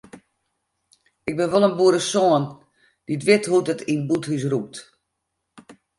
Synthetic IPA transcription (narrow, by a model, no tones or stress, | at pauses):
ɪɡ̚bɪnʋolˠənbuəɾəsoən | d̥itʋɪthutətinbuthys̬rup̚t